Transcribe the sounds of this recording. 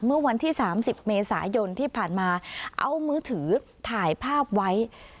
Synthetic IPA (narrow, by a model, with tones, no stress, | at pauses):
mɯ˥˩ɐwa˧nt̪ʰiː˥˩saː˩˦msi˨˩p̚meː˧saː˩˦jo˧nt̪ʰiː˥˩pʰaː˨˩nmaː˧ʔa̰˧wmɯː˦˥t̪ʰɯː˩˦t̪ʰaː˨˩jpʰaː˥˩p̚wa˦˥j